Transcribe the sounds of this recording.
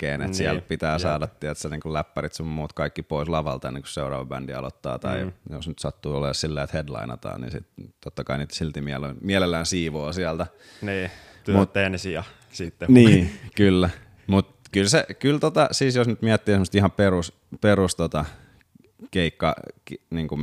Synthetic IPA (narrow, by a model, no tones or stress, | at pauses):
kːḛːnḛt̪siælpit̪æːsɑːdɑt̪ːiet̪seniːŋkulæpːærit̪summuːt̪kɑikːipoislɑʋɑ̰lt̪ɑḛnːeŋku̥sseurɑ̰ːʋɑbæ̰ndiɑ̰lo̰t̪ːɑ̰ːt̪ɑ̰ijosnyt̪sɑt̪ːuːoleːssilːeːet̪hedlɑ̰inɑ̰t̪ɑ̰ːnnḭːnsḭt̪t̪ot̪ːɑkɑinit̪silt̪imiælomiælelːæːnsiːʋoːsiælt̪æ | niː | mut̪ːensiɑ | sit̪ːeniːkylːæ | mut̪kylsekylt̪ot̪ɑsiːsjosnyt̪miæt̪ːiːseməst̪ihɑperus | perust̪ot̪ɑ | keikːɑ̰kniːŋkum